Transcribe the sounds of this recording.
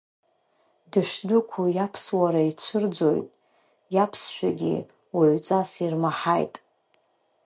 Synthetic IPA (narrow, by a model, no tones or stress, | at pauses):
dɨʂdʷʊkʷʰujapʰswaɾait͡sʷʰɨrd͡zo̞̰jtʼ | japʰsʃʷᶣaɡʲḭ | waʕʷt͡sʼasirmaħa̰jtʼ